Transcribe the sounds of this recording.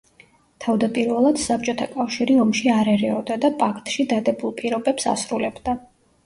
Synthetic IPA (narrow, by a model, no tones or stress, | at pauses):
t̪ʰavd̪apʼiɾvɛlˠad̪̥sap̚ʼt͡ʃʼɔt̪ʰakʼafʃiɾiɔmʃiaɾɛɾɛɔd̪ad̪apʼakʰt̪ʼʃid̪ad̪ɛbulˠpʼiɾɔbɛpsa̰sɾulɛbd̪a